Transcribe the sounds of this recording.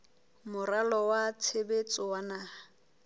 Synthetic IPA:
mʊralɔwat͡sʰebet͡sʼʊwanaːa

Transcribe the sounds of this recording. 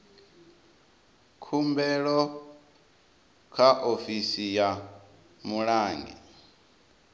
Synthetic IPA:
kʰumbɛɺɔ | kʰaʔofisija | muɺaːŋɡɛ̰

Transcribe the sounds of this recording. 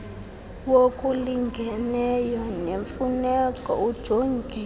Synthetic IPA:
wokʼuliŋɡʱɛnɛjɔneɱfunɛkʼɔ̰ud̥ʒ̥ʱoŋɡʱi

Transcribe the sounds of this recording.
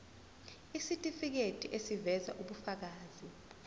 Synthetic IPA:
isitʼifik̬etʰʼiʔesivɛzaʔuɓufak̬aːzi

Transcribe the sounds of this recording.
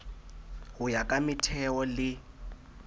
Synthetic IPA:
hujakʼamitʰɛɔlɪ

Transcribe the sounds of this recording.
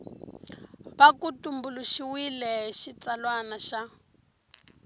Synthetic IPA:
βakutumbuluʃiwilɛʃit͡salwanaʃa

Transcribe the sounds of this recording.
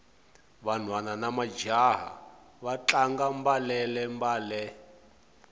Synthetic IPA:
βan̤wananamad͡ʒaɦa̰ | βat͡ɬaŋɡambalɛlɛmbaːlɛ

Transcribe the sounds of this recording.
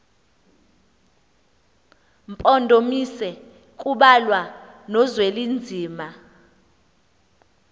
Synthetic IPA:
mpʼɔndʱomisɛ | kʼuɓalwanɔzwelind͡zʱiːma

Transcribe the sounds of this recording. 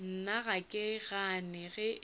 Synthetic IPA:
n̩naɣakʼɪɣanɪɣɛ

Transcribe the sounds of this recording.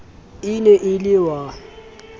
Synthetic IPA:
ɪnɛʔɪlɪwa

